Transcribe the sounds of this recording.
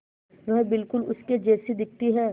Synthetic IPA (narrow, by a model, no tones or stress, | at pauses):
ʋɐɦbɪlkʊlʊsked͡ʒɛːsid̪ɪk̚t̪iɦɛː